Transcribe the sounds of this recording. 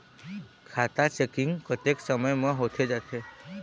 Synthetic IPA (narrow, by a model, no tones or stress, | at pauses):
kʰat̪at͡ʃekiŋɡkət̪eksəməjmə̃ɦot̪ʰed͡ʒat̪ʰe